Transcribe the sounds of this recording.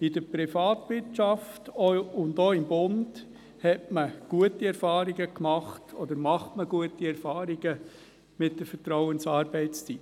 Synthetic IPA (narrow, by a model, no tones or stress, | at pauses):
idəpɾifɑːtʋɪtt͡ʃɑftɔʊndoːɪmbʊnd | hɛtməɡ̥uətiɛɾfɑːɾiɡəkmɑχtʰɔd̪əɾmɑχtməɡ̥uətiɛɾfɑːɾiɡ̥ə | mɪt̚d̥əfəɾtɾɔʊənsɑːɾbɛɪt͡st͡sit